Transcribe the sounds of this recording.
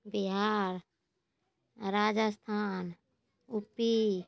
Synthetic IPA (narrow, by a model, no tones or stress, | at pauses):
biɦaːɾ | ɾaːd͡ʒəst̪ʰaːn | upi